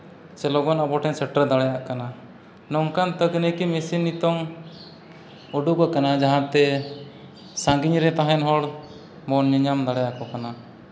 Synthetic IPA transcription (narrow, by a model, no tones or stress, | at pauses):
t͡ʃɛlɔɡɔnabɔʈʰɛɲsɛʈɾəd̪aɽɛjaʔkana | nɔŋkant̪əkənəkimesinːit̪ɔŋ | ɔɖukɔkanad͡ʒaɦãt̪ɛ | sãŋɡiɲɾɛt̪aɦɛnɦɔɽ | mɔnːiɲamd̪aɽɛjakɔkana